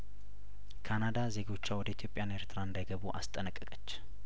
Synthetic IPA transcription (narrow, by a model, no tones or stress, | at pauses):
kʰanad̪aze̞ɡo̞t͡ʃːawɔd̪əit̪ʰjo̞pʼjane̞ɾt̪ʰɨɾaɨnd̪ajɡəβuʔa̰st̪ʼənəkʼːəkʼət͡ʃː